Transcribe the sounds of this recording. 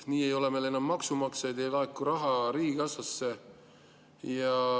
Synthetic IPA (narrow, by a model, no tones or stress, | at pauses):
niːe̞jo̞le̞mele̞nːɑmːɑksumɑksed̪ejlɑekːˑuɾɑɦɑɾiːɡiɡ̥ɑsɑsːe̞ | jɑ